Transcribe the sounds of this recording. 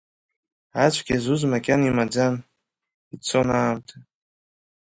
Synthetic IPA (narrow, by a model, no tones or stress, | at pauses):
at͡ʃʷʰɡʲazuzmakʲʼanimad͡zan | it͡sʰonaːmtʼʰa